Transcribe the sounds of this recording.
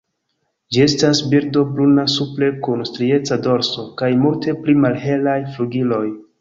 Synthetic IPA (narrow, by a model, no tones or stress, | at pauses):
d͡ʒie̞stasbiɾdo̞bɾunasuple̞kunstɾie̞t͡sado̞ɾso̞kajmultʰe̞plimalɦe̞lajfluɡilo̞j